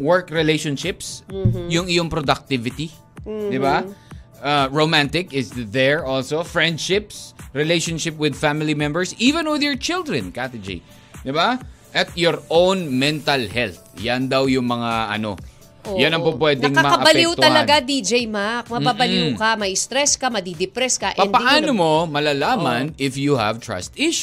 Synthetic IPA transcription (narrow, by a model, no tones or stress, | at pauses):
wɛɹkɹɪlejʃonʃɪpsjʊŋɪjoŋpɾod̪ɐk̚t̪ɪvɪt̪i | d̪ɪbaʔaɹomãnt̪ɪkɪsðɛɹʔolsofɹɛnd̪ʃɪpsɹɪlejʃonʃɪp̚wɪd̪famɪlimɛ̃mbɛɹsiːvɛ̃nwɪðjɔɹt͡ʃɪld̪ɹɛ̃nkat̪ɪd͡ʒḛj | d̪ɪba | ʔɐt̪̚jɔɹʔownmɛ̃nt̪ɐlhɛlθjand̪ɐwjʊŋmɐŋaʔɐ̰no̞̰ | ojanɐŋpopwɛːd̪ɛ̃ŋamɐɐʔɐbɐlpɛjut̪ɐlɐɡad̪id͡ʒejmak̚mɐmbabɐljukɐmɐjɪst̪ɾɛskɐmɐd̪id̪ɪpɾɛskɐʔpɐnpɐʔaːnomomɐlaːlaːmɐnɪfjuhɐ̰v̥t̪ɹɐ̰st̪ɪʃ